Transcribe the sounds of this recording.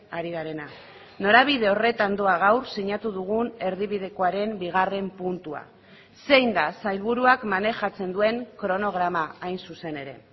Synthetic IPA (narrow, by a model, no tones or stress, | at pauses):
aɾiðaɾe̞na | no̞ɾaβ̞iðe̞o̞re̞t̪and̪oaɣ̞awrsiɲat̪uðuɣ̞une̞ɾð̞iβið̞e̞ko̞aɾe̞mbiɣare̞mpunt̪ua̰ | se̞jnd̪asajlβuɾuakmane̞ʝat͡se̞nd̪ue̞ŋkɾo̞no̞ɣ̞ɾamaːjnsuse̞ne̞ɾe̞̰